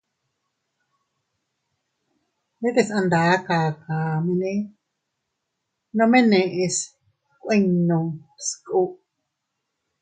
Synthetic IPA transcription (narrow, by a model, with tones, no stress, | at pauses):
nẽ˦t̪e˧sã˧nd̪aː˨˦kaː˨kaː˨mẽ˧nẽ˦ | nõ˧mẽ˦nẽ˨˧ʔe˧s | kʷwẽ˦nõ˨skʼu˦ʔ